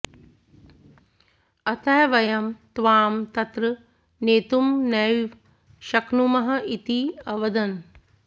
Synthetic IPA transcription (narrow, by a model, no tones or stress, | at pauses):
ɐt̪ʰɐːʋɐjɐmt̪ʋaːmt̪ɐt̪ɾɨ | neːt̪umnɐʋ | ʃɐknumɐɦɐ̆ʔit̪iɐʋɐd̪ɐn